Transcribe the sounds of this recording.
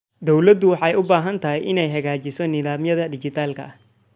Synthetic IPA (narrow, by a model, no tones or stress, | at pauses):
d̪ɔwlɐd̪ʊwɑħɑjʊbaːɦɐnt̪ʰɐɦɛjʔɪnɛjɦɐɣaːt͡ʃɪsɔnɪðaːmjɐðɐd̪ɪt͡ʃɪt̪ʰaːlkʰɐ̰ɐ